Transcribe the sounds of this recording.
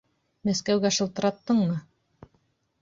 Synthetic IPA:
mæskæwɡæʃɤ̆lˠt̪ɤ̆ɾɑt̪ːɤɴmɤ

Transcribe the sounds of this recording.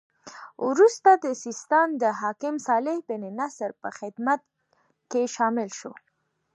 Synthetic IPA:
wɾust̪ad̪əsist̪amd̪əɦɑkɪmsɑlɪhbɪnenasɾpəxɪd̪mat̪ | keʃɑmɪlʃo̰

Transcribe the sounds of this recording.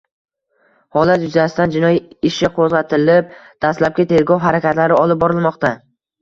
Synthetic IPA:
hɒlat̪jʊzasɪt̪and͡ʒɪnɒjiɪʃɪqʰozʁɑt̪ʰɪlɪp̚d̪̥ast̪lap̚kʲat̪ʰe̞ɾɡɒwɦaɾakʲat̪laɾɪɒlˠɪp̚bɒɾɪlˠmɒqt̪a

